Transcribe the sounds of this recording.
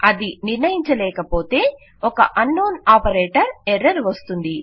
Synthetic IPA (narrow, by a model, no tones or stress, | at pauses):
ɐd̪iniɾnɐjiɲt͡ʃɐlɛːkɐpo̞ːt̪e̞ː | ɔkɐ̰ʔɐnːoːnaːpɐɾeːʈɐɾɛɾːɐɾʋɐst̪und̪i